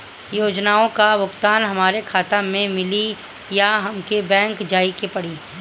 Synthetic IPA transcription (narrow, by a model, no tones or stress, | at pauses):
joːd͡ʒnaːõkaʋʊkt̪aːnɦɐmaːɾekʰaːt̪amẽmɪli | jaɦɐmkebɛ̃ːŋkd͡ʒaːikepɐɽiː